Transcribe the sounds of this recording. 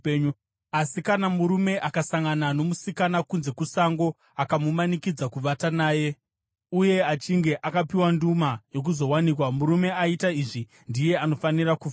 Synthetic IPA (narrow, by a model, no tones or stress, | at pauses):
u | asikanamuɾume̞ʔakasaŋɡanano̞musikanakunze̞kusaŋɡo̞ | akamumanikid͡zakuʋatanaːje̞ | uje̞at͡ʃiŋɡe̞ʔakapiwandumajo̞k̬uzo̞wanikwamuɾume̞aitaiʐi | ndije̞ano̞fanirakuf